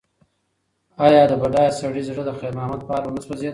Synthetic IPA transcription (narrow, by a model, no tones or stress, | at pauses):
ɑjɑd̪əbaɖɑjsaɽizɽəd̪əxeɾmɑhmat̪̚pɑlwʊnaswazed̪